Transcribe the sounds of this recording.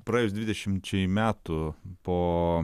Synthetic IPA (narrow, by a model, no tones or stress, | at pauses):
pɾɑejʊs̬d̪ʲʋʲɪd̪ʲɛʃʲɪmt͡ʃʲɛɪmʲæːt̪ʊpoː